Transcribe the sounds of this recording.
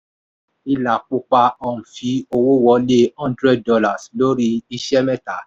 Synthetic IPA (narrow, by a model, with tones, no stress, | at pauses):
i˧la˨k͡pu˧k͡pa˧ɔ˨ũ˨fi˨˦o˧wo˦wɔ˧˦le˦ã˦ndɾɛ˦˨d̚dɔ˧la˨slo˦ɾi˦i˧ʃɛ˦mɛ̃˦ta˨˦